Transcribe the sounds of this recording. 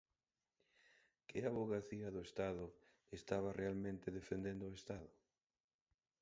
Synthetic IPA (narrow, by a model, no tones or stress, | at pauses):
kɪaβoɣaθiɐðʊest̪aðʊ | est̪aβ̞arealmẽnt̪ɪðefend̪end̪ʊːest̪aðʊ